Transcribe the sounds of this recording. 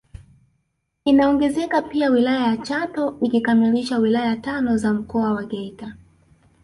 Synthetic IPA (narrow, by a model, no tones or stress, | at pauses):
inaɔŋɡɛzɛkapiawilajajat͡ʃatɔikikamiliʃawilajatanɔzam̩kɔawaɡɛita